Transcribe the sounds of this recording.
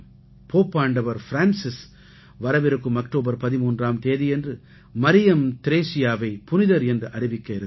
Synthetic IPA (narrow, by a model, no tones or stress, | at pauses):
poːpːaːɳɖɐʋɐɾfɪɾaːnsɪs | ʋɐɾɐʋɪɾɯkːɯmɐkʈoːbɐɾpɐðɪmuːndraːmt̪eːðijɛndrɯ | mɐɾɪjɐmt̪ɪɾeːsɪjaːʋɐɪpʊnɪðɐɾɛndrɯʔɐɾɪʋɪkːɐɪɾɯ